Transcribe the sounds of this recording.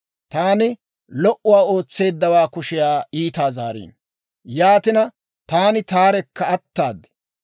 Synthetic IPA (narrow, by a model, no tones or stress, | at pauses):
t̪aːnɪ | lɔʔʊwaːo̞ːt͡sːe̞ːd̪ːɐwaːkʊʃɪjaːiːt̪aːzaːɾḭːn | jaːt̪ɪnɐ | t̪aːnɪt̪aːɾɛkːɐɐt̪ːaːd̪ɛ̥